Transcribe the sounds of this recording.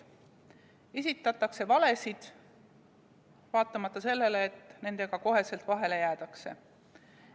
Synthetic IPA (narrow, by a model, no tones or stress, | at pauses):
e̞sit̪ːˑɑt̪ːˑɑkse̞vɑle̞sid̪̥ | vɑːt̪ːˑɑmɑt̪ːˑɑse̞lːe̞leːt̪ːˑne̞nd̪̥e̞ɡ̥ɑko̞ɦe̞se̞lt̪ˑvɑɦe̞le̞jæːt̪ɑkse̞̰